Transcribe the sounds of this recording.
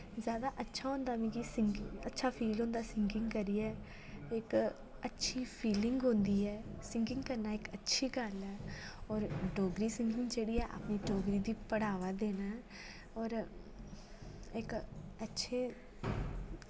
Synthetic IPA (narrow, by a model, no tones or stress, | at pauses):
zjaːd̪aːʔətːʃʰaːɦõːnd̪aːmĩːkisɪŋɡɪŋətːʃʰaːpʰiːlɦõːnd̪aːsɪŋɡɪŋɡkəɾiːɛː | ɪk | ətːʃʰiːpʰiːlɪŋɡɦõːnd̪iːɦɛːsɪŋɡɪ̃ŋɡkəɾnaːɪkətːʃʰiːɡəlɛːɔːɾɖoːɡɾiːsɪ̃ŋɡɪŋɡd͡ʒeːɽiːɛːʔa̰pniːɖoːɡɾiːd̪iːpəɽaːʋaːd̪eːnaːɦɛː | ɔːɾ | ɪkətːʃʰeː